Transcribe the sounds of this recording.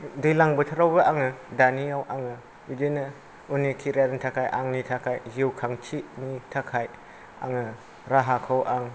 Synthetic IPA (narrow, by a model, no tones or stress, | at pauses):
dɯjlaŋbɯtʰɯɾawbɯʔaŋɯdanijawʔaŋɯ | bidenɯ | unikʰiɾaɾnitʰakʰajʔaŋnitʰakʰajziwkʰaŋt͡ʃʰinitʰakʰaj | a̰ŋɯ | ɾaɦakʰɯwʔaŋ